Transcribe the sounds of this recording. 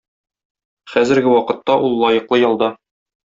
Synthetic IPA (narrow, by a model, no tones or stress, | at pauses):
χæzɘ̆ɾɡɘwɒqɤ̆t̪ːɑʔulˠːɒjɤ̆qlˠɤjɒlˠd̪ɑ